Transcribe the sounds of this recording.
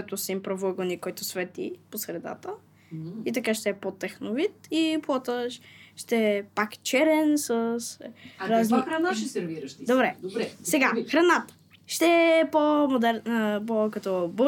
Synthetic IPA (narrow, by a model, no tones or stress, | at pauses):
ɛt̪osimpɾovəɡonikɔjt̪ʊsvɛt̪ḭposɾɛd̪a̰t̪ə | it̪ɐkaʃt̪ɛɛpot̪ɛxnovit̪iplˠɔt̪əʃʃt̪ɛpakt͡ʃɛɾɛnsəsɾaznixɾɐnaʃɛsɛɾviɾəʃt̪id̪obɾɛd̪obɾɛsɛɡaxɾɐnat̪ə̥ | ʃt̪ɛɛpomod̪ɛɾəpokɐt̪ɔbə